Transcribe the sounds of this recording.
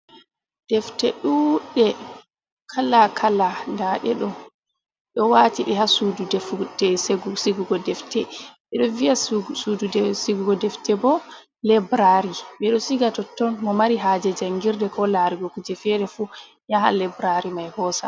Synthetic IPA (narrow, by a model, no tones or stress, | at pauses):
d̥ɛftɛɗuɗɛ | kʰalakʰalandaɗɛɗɔ | ɗɔwaːtiɓɛhasududɛfɛseɡusiɡuɡɔdɛftɛɓɛɗɔvijasududsiɡuɡɔdɛftɛbɔ | lɛbɾaɾiɓɛɗɔsiɡatɔtːɔnmɔmaɾiɦad͡ʒɛd͡ʒaŋɡiɾdɛkʰɔlaɾiɡɔkud͡ʒɛfɛɾɛfu | jaɦa̰lɛbɾaɾimajhɔsa̰